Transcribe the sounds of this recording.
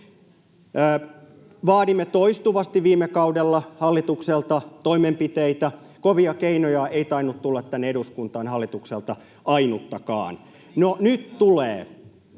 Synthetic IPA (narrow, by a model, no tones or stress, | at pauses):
ʋɑːɾimːet̪oist̪uʋɑst̪iʋʋiːmːekɑudelːɑhɑlːit̪ukselt̪ɑt̪oimempit̪eit̪æ | koʋiɑkeinojɑeit̪ɑinːut̪t̪ulːɑt̪t̪ænːeɾuskunt̪ɑːnhɑlːit̪ukselt̪ɑ | ɑinut̪ːɑkɑ̰ːn | nonyt̪t̪ulḛː